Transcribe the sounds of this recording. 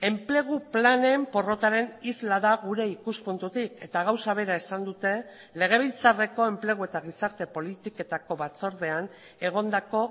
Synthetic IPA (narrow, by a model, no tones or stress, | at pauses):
e̞mple̞ɣ̞uplane̞mpo̞ro̞t̪aɾe̞nizlaðaɣuɾe̞ikuspunt̪ut̪ike̞t̪aɣ̞awsaβ̞e̞ɾae̞sand̪ut̪e̞ | le̞ɣ̞e̞β̞ilt͡sare̞ko̞e̞mple̞ɣ̞ue̞t̪aɣ̞isaɾt̪e̞po̞lit̪ike̞t̪ako̞βat͡so̞ɾðe̞an | e̞ɣ̞o̞nd̪ako̞